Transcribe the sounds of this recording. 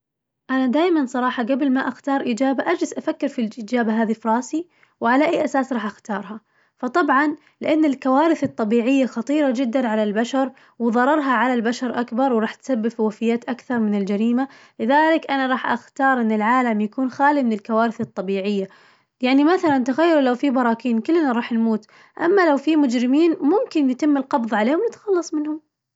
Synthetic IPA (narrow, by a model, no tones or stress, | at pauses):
ʔanad̪aːjmansˤɑɾˤɑːħɑɡablmaʔaxt̪ɑːɾˤʔiːd͡ʒaːbaʔad͡ʒlɪzʔafakːɪɾfilʔiːd͡ʒaːbaɦaːðifɾˤɑːsi | wʕalaʔajːʔasaːsɾˤɑːħʔaxt̪ɑːɾˤɦɑ | fɑt̪ˤɑbʕɑn | lɪʔanːɪlkawaːɾɪθɨt̪ˤːɑbiːʕɪjːaxɑt̪ˤiːɾˤɑd͡ʒɪd̪ːanʕalalbaʃɑɾˤ | wɪðˤɑɾˤɑɾˤɦɑʕalalbaʃɑɾˤʔakbɑɾˤwɾɑːħt̪sabːɪbfwafɪjːaːt̪ʔakθɑɾˤmɪnɪld͡ʒaɾiːma | lɪðaːlɪkʔanaɾˤɑːħʔa̰xt̪ɑːɾˤʔɪnːɪlʕaːlamjakuːnxaːlimɪnɪlkawaːɾɪθɨt̪ˤːɑbiːʕɪjːa | jaʕnimaθalant̪aɣajːʊɾlawfibɑɾˤɑːkiːnkɪlːnaɾˤɑːħnmuːt̪ | ʔa̰mːalawfimʊd͡ʒɾɪmiːnmʊmkɪnjɪt̪ɪmːɪlqɑbðˤʕaleːhʊmnɪt̪xɑlːɑsˤmɪnhʊm